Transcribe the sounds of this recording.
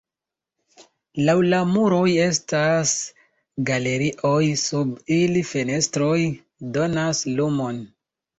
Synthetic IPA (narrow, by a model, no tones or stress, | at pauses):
lawlamuɾo̞je̞stas | ɡale̞ɾiʔo̞jsubilife̞ne̞stɾo̞j | do̞naslumo̞n